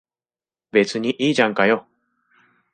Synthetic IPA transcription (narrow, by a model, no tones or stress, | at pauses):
be̞t͡sɨɲ̟iʔiːʑãŋkajo